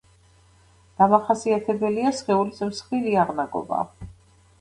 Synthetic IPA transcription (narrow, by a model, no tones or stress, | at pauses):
d̪̥amaχasiat̪ʰɛbɛliasʁɛulismsχiɾiaʁnaɡɔ̰ba̰